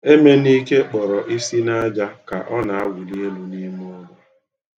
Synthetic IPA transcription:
e˦me˦ni˦ke˦k͡pɔ˨ɾɔ˨ʔi˦si˦na˦d͡ʒa˦ka˨ʔɔ˦na˨a˦ɡʷʊ˨li˦e˦lu˨ni˦m˦ɔ˦ɡa˦

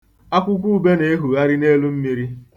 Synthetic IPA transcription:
a˦kʷʊ˦k̬ʷu˦u˦be˦ne˨e˦ɦu˨ɣa˦ɾi˦ne˦lu˦m̩˦mi˦ɾi˦

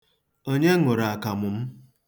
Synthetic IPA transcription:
o˦ɲe˦ŋʊ˨ɾa˨a˨ka˨mʊ˨m̩˦

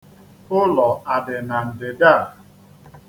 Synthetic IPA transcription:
ʊ˦lɔ˨a˨dɪ˨na˨n̩˨dɪ˨da˦˨

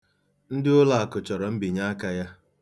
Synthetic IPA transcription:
n̩˦dɪ˦ʊ˦la˦˨a˨kʊ˨t͡ʃɔ˨ɾɔ˨m̩˦bi˨ɲa˦a˦ka˦ja˦

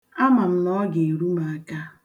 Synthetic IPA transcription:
a˦ma˨m̩˨nɔ˦ɡe˨e˨ɾu˦ma˨a˦ka˦

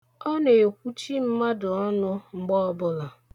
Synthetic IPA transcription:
ɔ˦ne˨o˨kʷu˦t͡ʃi˦m̩˦ma˦dʊ˨ɔ˦nʊ˦ŋ͡m̩˦ɡ͡bɔ˦ɔ˦bʊ˦la˨

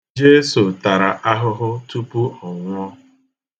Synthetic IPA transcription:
d͡ʒe˦so˨ta˨ɾa˨ʔa˦ɦʊ˦ɦʊ˦tu˦pu˦ɔ˨ŋʷʊ˦ɔ˦

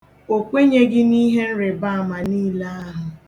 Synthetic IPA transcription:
o˨kʷe˦ɲe˦ɡɪ˦ni˦ɦe˦n̩˦ɾe˨ba˦a˨ma˨niː˦la˦a˦ɦʊ˨

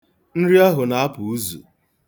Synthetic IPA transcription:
n̩˦ɾi˦a˦ɦʊ˨na˨a˦pʊ˨u˦zṵ˨

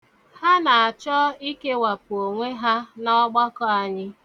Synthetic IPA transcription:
ha˦na˨a˨t͡ʃɔ˦i˦ke˦wa˨pʊ˨o˨ŋʷe˦ɦa˦nɔ˦ɡ͡bɔ˦kɔ˦a˨ɲɪ˦

